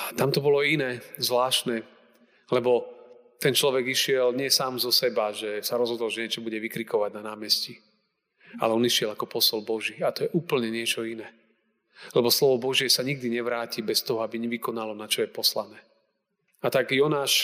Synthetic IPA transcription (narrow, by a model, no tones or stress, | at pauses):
t̪amt̪ɔbɔlɔinɛːzʋlaːʃnɛ | lɛbɔt̪ɛnt͡ʃlɔʋɛɡiʃɪɛlɲɪɛsaːmzɔsɛbaʒɛsaɾɔzɦɔd̪ɔlʒɛɲɪɛt͡ʃɔbuɟɛʋikɾikɔʋaɟnanaːmɛsci | a̰lɛɔniʃɛlakɔpɔsɔlbɔʒiat̪ɔjɛʔuːpl̩ɲɛɲɪɛt͡ʃɔinɛː | lɛbɔslɔʋɔbɔʒɪɛsaɲiɡ̚d̪iɲɛʋɾaːcibɛst̪ɔɦɔabiɲɛʋikɔnalɔnat͡ʃɔjɛpɔslanɛː | at̪aɡjɔnaːʃ